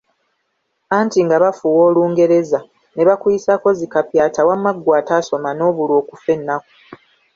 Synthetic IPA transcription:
aːntiŋɡaβafuwo̞ːluːŋɡe̞ɾe̞za | ne̞βakwujisako̞zikapjaːtawamːaɡːwaːtaːso̞mano̞ːβulwo̞ːkufe̞nːaku

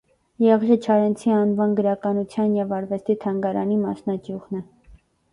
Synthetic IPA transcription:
jɛʁʒət͡ʃʰɑɾɛnt͡sʰiɑnvɑnɡəɾɑkɑnut͡sʰjɑnjɛvɑɾvɛst̪it̪ʰɑŋɡɑɾɑ̰nimɑ̰snɑkjuʁnɛ

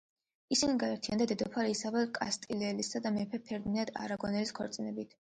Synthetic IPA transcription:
isiniɡaɛɾt̪ʰijand̪ad̪ɛd̪ɔpʰaɾiːsavalkʼa̰st̪ʼilɛlisad̪amɛpʰɛpʰɛɾd̪inad̪a̰ɾaɡɔnɛliskʰɔɾt̪sʼinɛbit̪ʰ

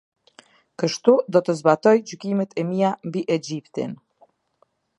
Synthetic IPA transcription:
kəʃt̪ud̪ɔt̪əzbat̪ɔjd͡ʑykimɛt̪ʰɛmijambiʔɛd͡ʑipt̪in

